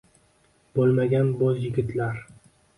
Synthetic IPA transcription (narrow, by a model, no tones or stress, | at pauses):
b̥olˠmaɡʲanbɒzjɪɡʲɪt̪ʰlaɾ